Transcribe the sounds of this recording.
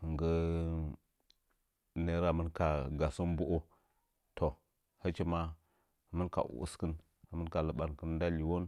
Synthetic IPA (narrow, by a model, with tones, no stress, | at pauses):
hə˨ŋɡə˦ | ne˦ɾa˨mə˦nka˨ɡa˨so˦mbu˦ʔo˦ | tʰo˨ | hə˦t͡ʃi˦ma˦˨ | mə˦nka̰˨ʔṵ˨ṵ˦skə˦n˨ | mə˦nka˨lə˨ɓa˨nkə˦n˦da˦li˨wo˦n